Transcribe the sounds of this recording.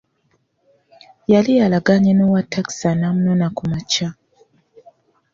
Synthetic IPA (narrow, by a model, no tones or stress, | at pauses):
jalijalaɡaɲenowatʰaksanamunonakumat͡ʃa